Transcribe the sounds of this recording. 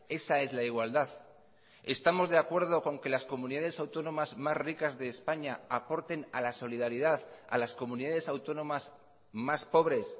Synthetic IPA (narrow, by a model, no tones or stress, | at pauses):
e̞sae̞zlaiɣwald̪að | e̞st̪amo̞zðe̞akwe̞ɾð̞o̞ko̞ŋke̞lasko̞mũniðað̞e̞sawt̪o̞nõ̞mazmasrikazðe̞ːspaɲaapo̞ɾt̪e̞nalaso̞liðaɾiðaða̰lasko̞mũniðaðe̞sawt̪o̞nõ̞maz | maspo̞β̞ɾe̞s